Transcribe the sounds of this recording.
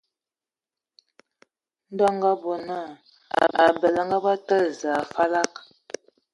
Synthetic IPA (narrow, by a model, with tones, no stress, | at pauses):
n̩˦dɔ˦ŋɡa˦bo˨na̰˦˨ | a˨bə˨lə˨ŋɡa˦ba˦tə˦za˨fa˦la˦k